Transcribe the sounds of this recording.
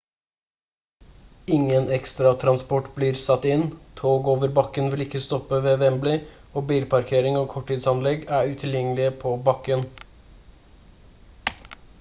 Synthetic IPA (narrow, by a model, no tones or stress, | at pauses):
ɪŋənɛkst̪ɾɑt̪ʰɾɑnspɔʈːbliːɾsɑt̪ːɪnt̪ʰoːɡoːʋəɾbɑkːənʋɪlɪkːəst̪ɔpːəʋeːʋɛmblɪ | oːbiːlpʰɑɾkʰeːɾɪŋoːkʰɔʈʰːiːd̪sɑnlɛɡæːɾʉt̪ʰɪljɛŋəlɪəpʰoːbɑkən